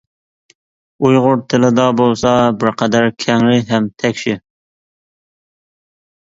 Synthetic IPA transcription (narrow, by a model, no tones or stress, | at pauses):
ujʁʊɾt̪ʰɪlɪd̪ɑbolˠsɑbɪɾqʰɛd̪æɾkʲʰɛŋɾɪɦɛmt̪ʰɛkʲʃɪ